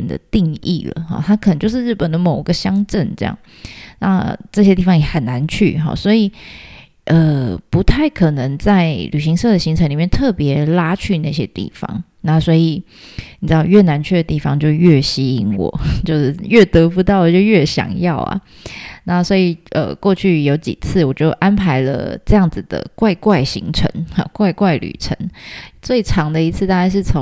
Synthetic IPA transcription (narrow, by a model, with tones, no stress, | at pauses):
nd̪ə̰˨˩t̪i˥˧ŋḭ˥˨˩lə̰˩xɑ̰˩t̪ʰa˥kʰə˨˩ə˧˦ŋt͡ɕjo˥˧ʊʂɻɻ̩˥˩pə˨˩nd̪ə˩mo˨˩ʊ˧ɡə˧ɕjɑ˥ŋʈ͡ʂə˥˩nʈ͡ʂɤ̰˥˧jɑ̰˥˩ŋ | na˥˧ʈ͡ʂɤ˥˩ɕjɛ˥t̪̬i˥˩fɑ˧˥ŋjɛ˨˦xə˨˩na˧˦nt͡ɕʰy̰˥˩xɔ̰˨˩swɔ˧˥i˨˩ | ʔə˨pu˧˥t̪ʰa˥˩ɪkʰɤ˨˩nə˧˦ŋt͡sa˥˩ɪly˨˩ɕi˧˥ŋsɤ˥˩d̪ə˨˩ɕi˧˥ŋt͡sʰə˧ŋli˨˩mjnt̪ʰɤ˥˩pjɛ˧˥la˥t͡ɕʰy˥˧na˥˩ɕ̬jɛ˥t̪ḭ˥˩fɑ̰˨˩ŋ | na˥˩swɔ˧˥i˨˩ | ni˨˩ʈ͡ʂɻ̩˥d̪ɑ˥˧ʊɥɛ˥˩na˧˦nt͡ɕʰɥɛ˥˩d̪ə˩t̪i˥˩fɑ˦ŋt͡ɕjo˥˧ʊɥɛ˥˩ɕi˥i˧˥ŋwɔ̰˨˩˦t͡ɕjo˥˧ʊʂɻ̩˥˩ɥɛ˥˩t̪ɤ˧˥fu˧˥t̪ɑ˥˩ʊwə˨˩t͡ɕjo˥˧ʊɥɛ˥˩ɕjɑ̰˨˩ŋjɑ˥˩ʊɐ̰˩ | na˥˩swɔ˧˥i˨˩ʔə̰˩kwɔ˥˧t͡ɕʰy˥˩jo˧˥ʊt͡ɕḭ˨˩t͡s̩ʰ˥˩wɔ˨˩t͡ɕo˥˩ʊʔa˥npʰa˧˥ɪlə̰˧ʈ͡ʂɤ˥˧jɑ˥˩ŋd͡z̩˨˩d̪ə̰˩kwa˥˧ɪkwa˥˩ɪɕḭ˧˥ŋʈ͡ʂʰə̰˧˦ŋ˨˧kwa˥˧ɪkwa˥˩ɪly̰˨˩ʈ͡ʂʰə̰˧˦nt͡swe˥˩ɪʈ͡ʂʰɑ˧˥ŋd̪ə˧˨i˧˥t͡sʰɨ˥˧t̪a˥˧ka˥˧ɪʂɻ̩˥˩t͡sʰo˧˦ŋ